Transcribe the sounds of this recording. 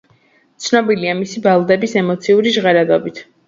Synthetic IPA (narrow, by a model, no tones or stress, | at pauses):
t̪sʰnɔbiliamisibalˠd̪ɛbisɛmɔt̪sʰiuɾiʒʁɛɾad̪ɔbit̪ʰ